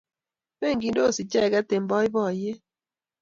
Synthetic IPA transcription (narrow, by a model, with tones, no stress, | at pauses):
be˦˨ŋɡi˨ndo˦˨si˨t͡ʃɛ˦˨ɡa˦te˨mbɔ˦ɪ˦bɔ˦˨je˦